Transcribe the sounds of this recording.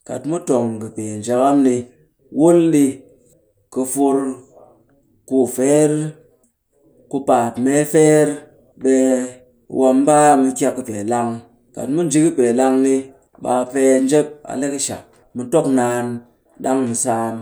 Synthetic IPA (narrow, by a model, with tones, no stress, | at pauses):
ka̰˨tmu˦to˨ŋkɨ˨pe˨n˨d͡ʒa˨ka˦mni˧ | wu˦nɗi˧ | kɨ˧fu˧ɾ | ku˦fe˦ɾ | ku˧pa˨tme˦fe˦ɾ | ɓe˧ | wʔa˧mba˦˨mɨ˧kʲa˧kːɨ˧pe˨la˧ŋ | ka̰˨tmu˦n˨d͡ʒi˦kɨ˦pe˨la˧ŋni˧ | ɓa˧pe˧n˦d͡ʒe˦p̚a̰˨le˦kɨ˦ʃa̰˨ | mu˧to˦knaː˧˦n | ɗa˦ŋmɨ˧saː˦m